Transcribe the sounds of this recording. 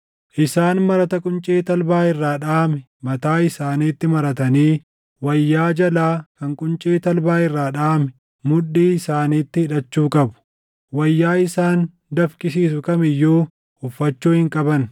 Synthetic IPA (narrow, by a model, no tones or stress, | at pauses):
ʔɪsaːnmɐɾɐt̪ɐkʼʊnt͡ʃʼeːt̪ɐlbaːɪrːaːᶑaːmɛ | mɐt̪aːɪsaːniːt̪ːɪmɐɾɐt̪ɐniː | wɐjːaːd͡ʒɐlaːkɐŋkʼʊnt͡ʃʼeːt̪ɐlbaːɪrːaːᶑaːmɛ | mʊɗːiːɪsaːniːt̪ːɪhɪᶑɐt͡ʃːuːkʼɐbʊ̥ | wɐjːaːɪsaːn | d̪ɐfkʼɪsiːsʊkɐmɪjːuː | ʊfːɐt͡ʃːuːhɪŋkʼɐbɐn